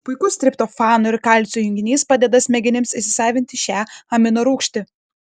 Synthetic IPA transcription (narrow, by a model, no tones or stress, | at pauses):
pʊɪkʊsʲt̪ʲɾʲɪpt̪oːfɑːnʊɪɾkɐlʲsʲujʊŋʲɡʲɪnʲiːspɑːd̪ʲɛd̪ɐsʲmʲɛɡʲɪnʲɪmsɪʃsʲɪ̥sɑːʋʲɪnʲt̪ʲɪʃʲæːɐmʲɪnoɾuːkʃʲt̪ʲɪ